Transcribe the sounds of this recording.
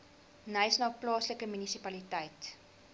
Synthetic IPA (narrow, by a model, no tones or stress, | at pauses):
nəjsnɑːplɑːsləkəmynisipɐlitəjt